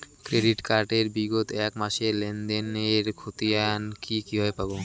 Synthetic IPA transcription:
kɾeɖiʈkaɾʈeɾbiɡot̪ɛkmaʃeɾlend̪eneɾkʰot̪iankikiɦɔepabo

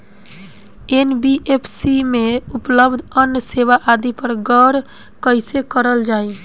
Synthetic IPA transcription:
enbiʔepʰsimeupləbd̪ʱənjəseʋaʔad̪ipəɾɡəɾ | kəɪsekəɾəld͡ʒaj

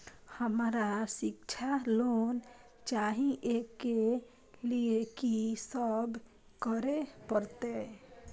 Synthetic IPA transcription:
həmɾasik̚t͡ʃʰalon | t͡ʃaɦĩʔeke | liekisəb | kəɾepəɾt̪e

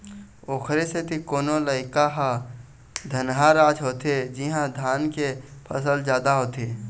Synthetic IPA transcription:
oːkʰɾeset̪ʰikoːnoləɪkaɦa | d̪ʱənɦaɾaːd͡ʒɦoːt̪ed͡ʒɪɦãd̪ʱaːnkepʰəsəld͡ʒaːd̪aɦoːt̪e

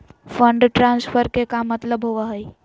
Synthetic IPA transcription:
fʰə̃ɳɖʈɾãːnsfʰəɾkekamət̪ləbɦoʋaɦəi

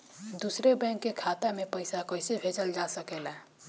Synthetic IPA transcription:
d̪usɾebɛ̃ŋkːekʰat̪amepəjsakəjsebʱet͡ʃəld͡ʒasəkɛla

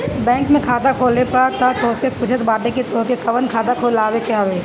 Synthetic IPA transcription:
bɛ̃ːŋkmẽkʰaːd̪akʰoːlepɐɾt̪ɐt̪oːsepʊt͡ʃʰət̪baːd̪ekit̪oːkekʰɐʋənkʰaːd̪akʰoːlaːʋekjaːʋeː

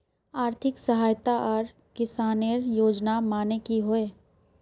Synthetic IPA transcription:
aːɾt̪ʰɪksəɦaːjt̪aʔɔːɾ | kɪsaːniəɾjoːd͡ʒnamaːnekiɦoeː

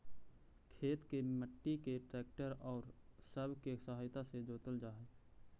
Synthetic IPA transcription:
kʰeːt̪keməʈːikeʈɾɛːk̚ʈəɾɔːɾsəbʱkesəɦaːjt̪ased͡ʒoːt̪əld͡ʒaːɦɛː

